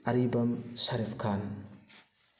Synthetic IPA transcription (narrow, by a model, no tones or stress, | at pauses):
ɐɾibɐmsɐɾipʰkʰan